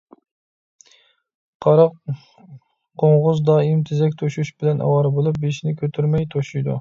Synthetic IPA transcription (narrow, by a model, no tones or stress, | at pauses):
qʰɑɾɑq | qʰoŋʁʊzd̪ɑːimt̪ʰɪzɛkʲt̪ʰoʃuʃbɪlɛnʔɑ̰wɑɾbolˠup̚beʃnɪkʲʰøt̪ʰyɾmɛjt̪ʰoʃujd̪ṵ